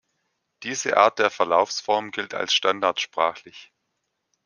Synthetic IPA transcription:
d̥iːzəʔa̰ːɐt̚d̥eːɐfɛɐlaʊfsfɔɐmɡɪltʰa̰lsʃtandaɐtʃpʁ̥aːxlɪç

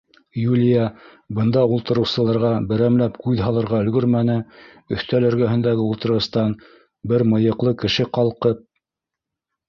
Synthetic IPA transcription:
julʲijɑ | bɤ̆nd̪ɑulˠt̪ɤ̆ɾɤ̆wsɤ̆lˠɑɾʁɑbɘ̆ɾæmlæpkʉðɦɑlˠɤ̆ɾʁɑɵ̆lɡɵɾmænɘ | ɵ̆θt̪ælɵ̆ɾɡæɦɘ̆nd̪æɡɘulˠt̪ɤ̆ɾɤ̆st̪ɑn | bɘɾmɤ̆jɤ̆qlˠɤkɘ̆ʃɘqɑlˠqɤp̚

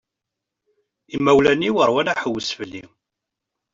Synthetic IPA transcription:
imːæwlæniwəɾˤwælaħəwːəsfəlːḭ

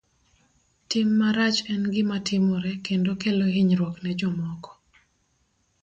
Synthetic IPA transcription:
tɪmːaɾat͡ʃɛnɡɪmatʰɪmɔɾɛkendokeloɦiɲɾwɔknɛd͡ʒɔmɔkɔ̥

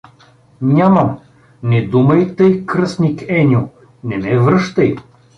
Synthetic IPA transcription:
nʲamɐm | nɛd̪umɐjt̪əjkɾɤsnʲikɛnʲo | nɛmɛvɾɤʃt̪əj

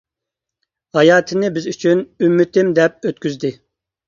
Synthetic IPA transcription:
hɑjɑːt̪ʰɪnɪbɪzyt͡ʃʰynymːɪt̪ʰɪmd̪ɛp̚øt̪̚kʲyzd̪ɪ

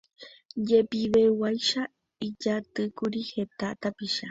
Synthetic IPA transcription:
jepiβewajʃa | id͡ʒat̪ɨkuɾihet̪aʔt̪apiʃa

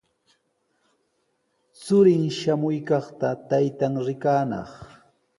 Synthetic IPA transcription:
t͡sʊɾɪŋʃamʊjkɑχt̪at̪ajt̪aŋɾɪkaːnɑ̰χ

